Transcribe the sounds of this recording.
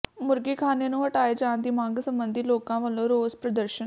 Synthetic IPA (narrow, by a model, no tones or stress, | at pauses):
mʊɾɡiːkʰaːneːnũːɦəʈaːeːd͡ʒaːnd̪iːmãːŋɡsəmbənd̪iːloːkãːʋəlõːɾoːzpɾəd̪əɾʃə